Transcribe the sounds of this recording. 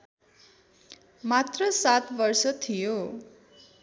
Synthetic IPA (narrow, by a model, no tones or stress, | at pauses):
mat̪rʌsat̪bʌrsʌt̪ʰijo